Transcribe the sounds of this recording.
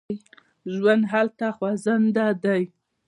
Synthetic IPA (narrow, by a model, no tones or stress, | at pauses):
ʒwand̪ɦalt̪axwazand̪ad̪aj